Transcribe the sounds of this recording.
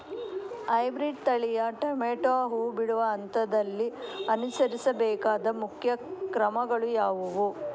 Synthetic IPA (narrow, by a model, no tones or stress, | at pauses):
ɐjbɾiɖt̪ɐɭijɐʈɐmeːʈaːɦuːbiɽuʋɐːnt̪ɐd̪ɐlːiɐnusɐɾisɐbɛːkaːd̪ɐmukʰjɐkɾɐmɐɡɐɭujaːʋuʋu